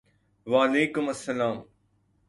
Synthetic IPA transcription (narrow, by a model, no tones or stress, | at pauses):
ʋaːɐleːkʊmɐsːɐlaːm